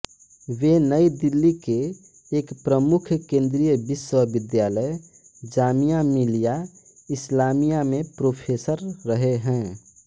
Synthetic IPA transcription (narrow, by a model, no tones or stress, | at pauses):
ʋenəid̪ilːikeː | kpɾəmʊkʰkẽːnd̪ɾijəbɪswəbɪd̪jaːləj | d͡ʒaːmijamilija | ɪslaːmijamẽpɾoːpʰeːsəɾːəɦeɦɛ̃